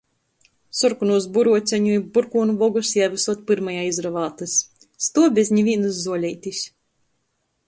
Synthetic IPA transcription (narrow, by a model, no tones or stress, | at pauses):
suɾkunuɔs̬buɾuɔsʲɛɲuibuɾkuːnuvɔɡusjavɨsuɔt̪̚pɨɾmajaːizɾavaːt̪ɨsː | t̪uɔbʲɛzʲɲivʲiɛnɨzzuɔlʲɛjt̪ʲisʲ